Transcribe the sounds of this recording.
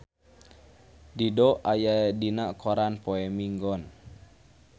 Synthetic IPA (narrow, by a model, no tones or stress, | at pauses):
didɔʔajadinaʔkɔɾanpoɛmiŋɡɔn